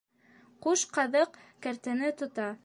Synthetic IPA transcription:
quʃqɑðɤq | kæɾt̪ɘ̆nɘt̪ŏt̪ɑ

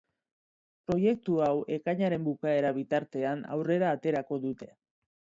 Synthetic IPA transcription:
pɾo̞je̞k̚t̪uawe̞kaɲaɾe̞mbukae̞ɾaβit̪aɾt̪e̞ana̰wre̞ɾaːt̪e̞ɾako̞ðut̪e̞

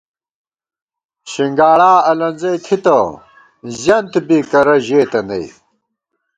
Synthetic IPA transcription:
ɕiŋɡaːɽaːɐlɐnzɐjt̪ʰit̪ɐ | zjɐnt̪biːkɐɾɐʑeːt̪ɐnɐ̰j

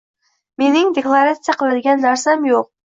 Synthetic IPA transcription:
menɪŋd̪eklˠɑɾat̪sɨjaqʰɨlˠad̪ɪɡʲanːæɾsamjoq̚

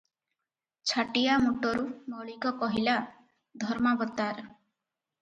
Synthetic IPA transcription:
t͡ʃʰaʈijamuʈɔɾumɔɭikɔpɔɦila | d̪ʱɔɾmabɔt̪aɾ

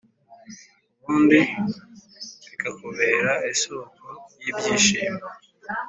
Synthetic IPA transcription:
kuːndi | ikakuβeɾaisokojibjiːʃiːme

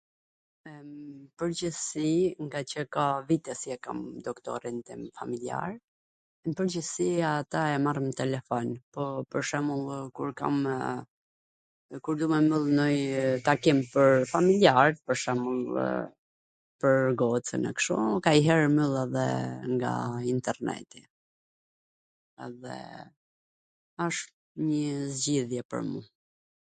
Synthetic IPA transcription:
pəɾd͡ʑəsiŋɡat͡ɕəkavit̪ɛsiɛka̰md̪ɔkt̪ɔ̰ɾint̪imfamilia̰ɾ | mpəɾd͡ʑəsiat̪aɛmarmət̪ɛlɛfɔnpɔpəɾʃɛmulˠkuɾka̰m | kuɾd̪umɛməlˠnɔjt̪akimpəɾfamiljaɾpəɾʃɛmulˠ | pəɾɡɔt͡sə̰nɛ̰kʃɔkaiɦɛɾmylˠɛðɛ̰ŋɡa̰int̪ɛɾnɛ̰t̪i | ɛðɛ̰ | aʃ | ɲəzɟiðjɛpə̰ɾmu

